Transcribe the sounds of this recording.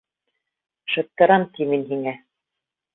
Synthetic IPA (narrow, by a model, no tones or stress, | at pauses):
ʃɤ̆t̪ːɤ̆ɾɑmt̪iminɦiŋæ